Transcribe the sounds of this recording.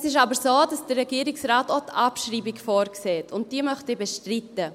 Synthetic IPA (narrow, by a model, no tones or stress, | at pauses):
sɪʃ̬ɑbəɾsoːdɑsd̥ərːɛɡiːəɾɪksraːtotʰɑpʃriːbɪkfoːɾkseːtʰʊnt̚d̥iːəmœχtebɛʃtritə